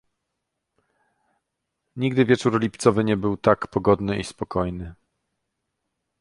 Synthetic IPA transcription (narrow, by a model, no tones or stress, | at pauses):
ɲiɡd̪ɘvʲjɛt͡ʂuɾlʲipt̪sɔvɘɲɛbɘwt̪akpɔɡɔd̪nɘispɔkɔjnɘ